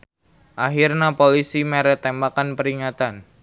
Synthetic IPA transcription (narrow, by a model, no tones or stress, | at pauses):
ʔaɦirnapolisimeɾɛt̪embakanpəɾiŋat̪an